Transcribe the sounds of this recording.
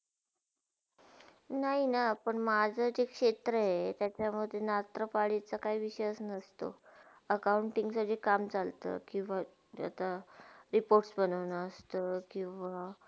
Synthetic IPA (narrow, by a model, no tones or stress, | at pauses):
naɦinapəɳmad͡zʱəd͡ʑekʂet̪ɾəɦet̪jat͡ɕaməd̪ʱːjenat̪ɾəpaɭet͡səkaɦiʋiɕəsnəst̪o̰ | əkawɳʈiŋɡsəd͡ʑekamt͡salt̪ə̰kĩw̃ʋa | a̰t̪aɾipoɾʈsbənəʋnəəst̪əkĩw̃ʋa